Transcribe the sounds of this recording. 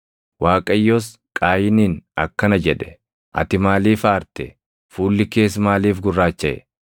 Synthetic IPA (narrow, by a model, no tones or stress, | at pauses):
waːkʼɐjːoːs | kʼaːjɪniːnɐkːɐnɐd͡ʒɛᶑɛ̥ | ʔɐ̰t̪ɪmaːliːfaːɾt̪ɛ | fuːlːɪke̞ːs̬maːliːfɡʊrːaːt͡ʃːɐʔɛ̰